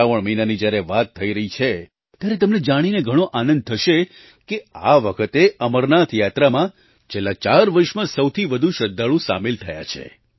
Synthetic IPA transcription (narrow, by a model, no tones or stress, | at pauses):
aʋəɭminanid͡ʒjaɾeʋat̪ʰːəiɾəɦit͡ʃʰe | t̪jaɾet̪əmned͡ʒaɽ̃ineɡʱəɽ̃oʔanənd̪̚t̪ʰəʃe | keaʋəkʰət̪eəməɾnat̪ʰjat̪ɾamã | t͡ʃʰelːat͡ʃaɾʋəɾʃmãsəwt̪ʰiʋəd̪ʱũʃəd̪ːaɭũsa̰melt̪ʰəja̰t͡ʃʰḛ